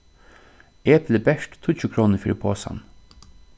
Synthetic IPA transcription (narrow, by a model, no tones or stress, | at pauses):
eːbleːbɛʂʈt̪ʰuːt͡ʃʰʉːkʰɾoːnəfyːɾɪpʰoːsa̰n